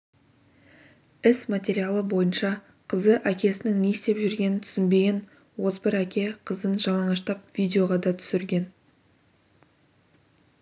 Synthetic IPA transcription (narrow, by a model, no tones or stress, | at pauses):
ɪsmat̪ʲe̞ɾijalˠəbo̞jənʃɑ | qʰəzəʔækʲe̞sɪnɪŋne̞st̪e̞pʒʏɾɡʲe̞nɪnt̪ʰʏ̥sɪnbe̞ɡʲen | wo̞zbɪɾækʲe̞qʰəzənʒɑlˠɑɴɑʃt̪ɑp̚vijd̪ʲeo̞ʁɑd̪ɑt̪ʰʏ̥sɪɾɡʲe̞n